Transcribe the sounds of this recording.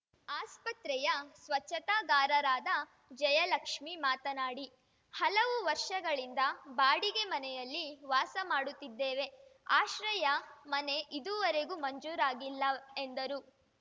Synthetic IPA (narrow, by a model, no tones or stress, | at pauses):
aːspɐt̪ɾɛjɐsʋɐt͡ʃːɐt̪aːɡaːɾɐɾaːd̪ɐ | d͡ʒɐjɐlɐkʂmimaːt̪ɐnaːɽi | hɐlɐʋuʋɐɾʂɐɡɐɭind̪ɐbaːɽiɡe̞mɐnɛjɐlːiʋaːsɐmaːɽut̪ːid̪ːeːʋe̞aːʃɾɐjɐmɐne̞ʔid̪uʋɐɾe̞ɡumɐɲd͡ʒuːɾaːɡilːɐe̞nd̪ɐɾu